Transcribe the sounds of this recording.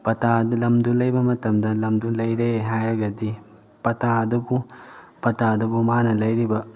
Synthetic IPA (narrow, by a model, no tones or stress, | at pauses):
pɐt̪ad̪lɐmd̪ulɐjbɐmɐt̪ɐmd̪ɐlɐmd̪ulɐjɾeɦajɐɡɐd̪i | pɐt̪ad̪ubu | pɐt̪ad̪ubumaːnɐlɐjɾibɐ